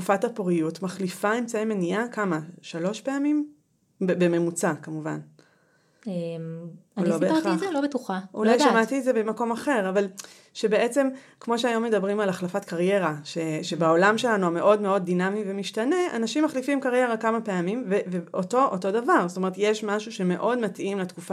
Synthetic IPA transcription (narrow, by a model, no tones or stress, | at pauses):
tkufathapoʁijutmaχlifaemt͡saimeniakamaʃalo̞ʃpe̞amim | bbeme̞mut͡sakamuva̰n | olobeaelobetuχaulajʃamatietzebemako̞maχe̞ʁaval | ʃe̞be̞ʔet͡se̞m | kmo̞ʃeajo̞mːe̞dabʁimalaχlafatkaʁje̞ʁaʃeʃebeo̞lamʃelanuame̞ʔo̞dme̞o̞d̚ːinamivemiʃtane̞a̰naʃimːaχlifimkaʁje̞ʁakamapeamimveveoto̞ʔoto̞davaʁsotome̞ʁetjeʃmaʃuʃe̞me̞ʔo̞dmatʔimletkufa